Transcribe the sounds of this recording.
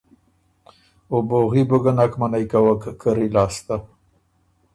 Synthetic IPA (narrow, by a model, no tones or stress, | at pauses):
oboɣiboɡanakmanajkawakkəɾilɑːst̪a